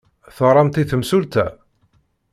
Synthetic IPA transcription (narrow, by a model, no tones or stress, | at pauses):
θəɾˤɑmt̪iθəmsult̪æ̰